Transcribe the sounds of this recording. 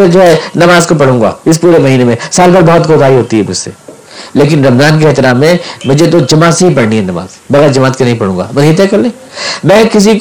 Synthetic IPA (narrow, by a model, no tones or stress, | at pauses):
ɐd͡ʒoːɦɛnɐmaːzkopɐɽ̤ũːŋɡa̰ːɪs̬puːɾemɐɦiːnemẽsaːlbɐɾbɔɦɔt̪̚koːt̪aːiɦoːt̪iɦɛmʊd͡ʒsḛ | leːk̬ɪnɾɐmzaːnk̬eɛɦt̪ɪɾaːmːẽmʊd͡ʒʱet̪̬od͡ʒɐmaːt̪seɦipɐɽniɦɛnɐma̰ːz | bɐɣɛːɾd͡ʒɐmaːt̪kenɐɦĩpɐɽũːŋɡa̰ːmɐĩt̪̬ẽkɐɾlẽː | mɛ̃ːkɪs̬ik